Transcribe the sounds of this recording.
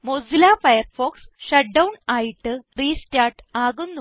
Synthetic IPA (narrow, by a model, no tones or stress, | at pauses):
mozilaːfɐjɐrfoːksʂɐʈ̚ɖɐwɳaːjiʈːɨriːstaːʈaːɣunːu